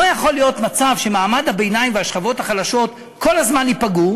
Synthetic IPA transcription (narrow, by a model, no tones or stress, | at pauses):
ojaχo̞lijo̞tmat͡savʃe̞maːmadhabejnajimveaʃχavo̞thaχalaʃo̞t̪ | ko̞lazmanipaɡu